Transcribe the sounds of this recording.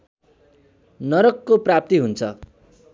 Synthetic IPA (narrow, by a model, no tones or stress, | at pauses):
nʌɾʌkːoprap̚t̪iɦunt͡sʰʌ